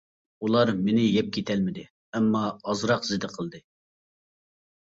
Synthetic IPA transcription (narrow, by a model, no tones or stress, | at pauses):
ulˠɑɾmenɪjɛp̚kʲʰet̪ʰɛlmɪd̪ɪ | ɛmːɑɑzɾɑqzɪd̪ɪqʰəlˠd̪ɨ